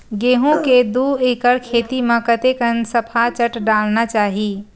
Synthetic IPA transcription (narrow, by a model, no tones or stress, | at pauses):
ɡeːɦũked̪ueːkəɾkʰeːt̪imə̃kət̪ekənsəpʰat͡ʃəʈɖaːlnat͡ʃaːɦiː